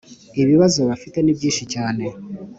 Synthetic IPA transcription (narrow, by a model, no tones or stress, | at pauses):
eβiβazoβafite̞neβjiːʃicaːne